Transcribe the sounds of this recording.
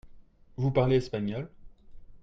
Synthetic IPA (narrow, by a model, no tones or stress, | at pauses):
vupaʁleɛspaɲɔl